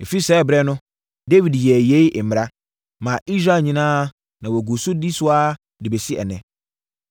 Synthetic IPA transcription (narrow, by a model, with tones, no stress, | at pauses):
e˨fi˦sɛː˦bɾɛ˦nʊ̃˦ | de˦wi˨djɛ˨je˦i˦˨m̩˨ɾa˦ | mã˨ʔi˦sɾa˨ɲĩ˦nãː˦ | nã˨wo˨ɡu˨sʊ˦di˦sʊ˦a˦ | dɪ˨be˨si˦ɛ̰˨nɛ̰̃˨